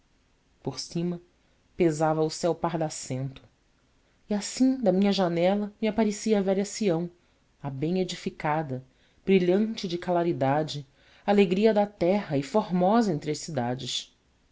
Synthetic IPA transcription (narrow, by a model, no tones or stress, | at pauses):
poɾsĩmɐ | pezavɐʊsɛwpahd̪asẽnt̪ʊ̥ | iasĩd̪ɐmĩɲɐʒanɛlɐmiapaɾesiɐvɛʎɐsiɐ̃w̃ | ɐbẽj̃ed͡ʒifikad̪ɐ | b̥ɾiʎɐ̃t͡ʃɪd͡ʒɪkalaɾid̪ad͡ʒɪ | aleɡɾiɐd̪ɐt̪ɛɦɐɪfoɾmɔzɐẽnt̪ɾɪɐʃsid̪ad͡ʒɪʃ